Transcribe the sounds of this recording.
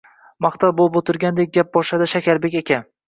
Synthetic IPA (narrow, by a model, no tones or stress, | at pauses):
mɑχt̪ʰavbolˠɪpot̪ʰɪɾɡʲand̪ek̚ʲɡʲap̚bɒʃad̪ɪʃakʲaɾbe̞kʲekʲʰan